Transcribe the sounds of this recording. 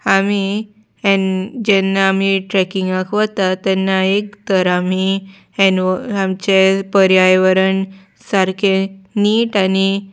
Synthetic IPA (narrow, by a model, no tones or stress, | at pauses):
ami | ɛ̃nd͡ʑɛnːaːmiʈɾɛkiŋɡãkʰʋət̪at̪ɛnːaekt̪əɾami | ɛ̃nʋamt͡ɕepəɾjajʋəɾən | saɾkʰẽniːʈani